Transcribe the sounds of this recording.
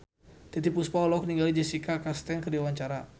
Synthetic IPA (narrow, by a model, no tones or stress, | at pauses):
t̪it̪̬ipuspaɔlɔk̚niŋɡalid͡ʒɛsikakast̪ɛŋkərdiawaɲt͡ʃaɾa